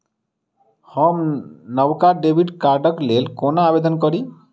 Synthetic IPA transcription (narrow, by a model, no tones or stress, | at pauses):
hɔmnɔwkaɾɖebʱiɖkaɾɖɔklelkonabed̪ɔnkɔɾi